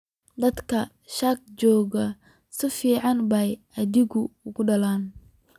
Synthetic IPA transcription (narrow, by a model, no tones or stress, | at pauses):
d̪ɐd̪kʰɐ | ʃɐk̚t͡ʃɔːɣɐ | sɪfiːʕɑnbɐj | ɐðɪɣʊʊɣʊɖɐlaːn